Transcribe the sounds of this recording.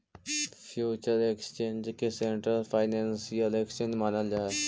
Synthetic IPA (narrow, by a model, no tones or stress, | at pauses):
fʰjut͡ʃəɾekst͡ʃẽɲd͡ʑkeseɳʈɾəlfajnensijəleksẽɲd͡ʒmanəld͡ʒaɦe